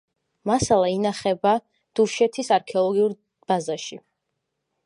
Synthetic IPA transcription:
masalˠainaχɛba | d̪̥uʃɛt̪ʰisaɾkʰɛɔlˠɔɡiuɾ | b̥azaʃi

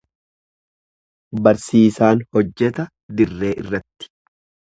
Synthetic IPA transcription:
bɐɾsiːsaːnhɔd͡ʒːɛt̪ɐ | d̪ɪrːe̞ːʔɪ̰rːɐt̪ːɪ̥

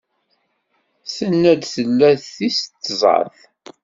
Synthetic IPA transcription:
sənːæd̪θəlːæθːist̪ːzˤɑ̰ɾθ

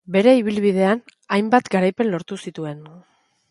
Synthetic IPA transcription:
be̞ɾe̞iβ̞ilβið̞e̞an | ajmbat̪ɡaɾajpe̞nlo̞ɾt̪usit̪ue̞n

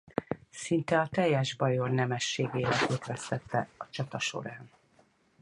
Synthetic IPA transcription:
sint̪ɛɒt̪ɛjːɛʒbɒjo̞rnɛmɛʃːeːɡeːlɛkøːt̪ʋɛst̪ɛt̪ːɛɒt͡ʃɒt̪ɒʃo̞̰ɾaːn

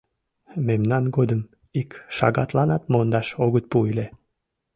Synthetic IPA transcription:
memnɑnɡod̪əm | ikʃɑ̰ɣɑt̪lɑnɑt̪mond̪ɑʃoɣət̪̚puile

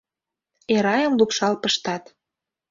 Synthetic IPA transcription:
eɾɑjə̆mlupʃɑlpəʃt̪ɑt̪

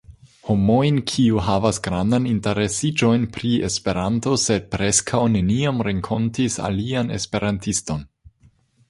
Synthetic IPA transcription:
homo̞jnkʰiuɦavasɡɾandaninte̞ɾesid͡ʒo̞jnpɾie̞spe̞ɾanto̞se̞d̚pɾe̞skʰawne̞niamɾeŋkʰontisa̰liane̞̰spe̞ɾantisto̞n

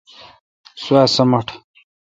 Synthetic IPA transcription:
swaːsɐmɐʈʰ

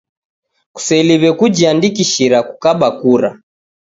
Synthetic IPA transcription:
ku̥sɛliβɛkud͡ʒiandikiʃiɾakukaɓakuɾa

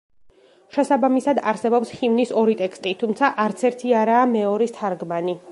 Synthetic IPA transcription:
ʃɛsabamisad̪aɾsɛbɔpsχivnisɔɾit̪ʼɛkst̪ʼit̪ʰumt̪sʰaʔaɾt̪sʰɛɾt̪ʰiaɾaːmɛɔɾist̪ʰaɾɡmani

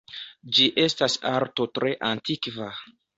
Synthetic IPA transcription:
d͡ʒiʔe̞stasaɾto̞tɾe̞ʔantʰikva

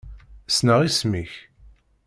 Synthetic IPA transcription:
snəʁismiç

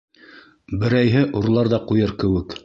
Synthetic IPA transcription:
bɘ̆ɾæjɦɘʔuɾlˠɑɾðɑqujɤɾkɘ̆wɘk

